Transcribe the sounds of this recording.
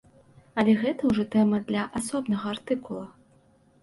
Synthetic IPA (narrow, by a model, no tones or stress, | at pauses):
ɐlʲɛɣɛt̪ɐwʐɔt̪ɛmɐd̪lʲɐʔasɔbnɐɣɐart̪ɨkulˠɐ